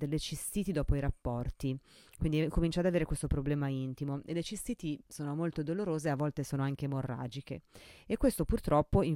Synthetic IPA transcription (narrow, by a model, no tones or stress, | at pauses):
d̪elːet͡ʃist̪iːt̪id̪ɔːpoiɾapːɔrt̪ikwind̪ikomint͡ʃad̪aveːɾekwest̪opɾoblɛːmaint̪imoḛlːet͡ʃist̪iːt̪isoːnomolt̪od̪oloɾoːzeavːɔlt̪esoːnoaŋkemorːa̰ːd͡ʒikḛekːwest̪opurt̪ɾɔpːoi